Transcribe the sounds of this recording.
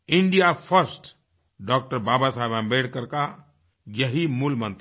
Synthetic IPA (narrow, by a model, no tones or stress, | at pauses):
ɪ̃ɳɖijapʰəɾsʈ | ɖɔːk̚ʈəɾbaːbasabãbeɽkəɾka | jəɦimulmə̃nt̪